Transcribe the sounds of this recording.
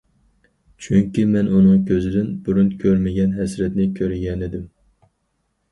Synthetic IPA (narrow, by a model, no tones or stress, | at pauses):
t͡ʃʰyŋkʲimɛnunɨŋkʲʰøzɪd̪ɪnbuɾunkʲʰøɾmɪɡʲɛnɦɛsɾɛt̪nɪkʲʰøɾɡʲɛnɪd̪ɪm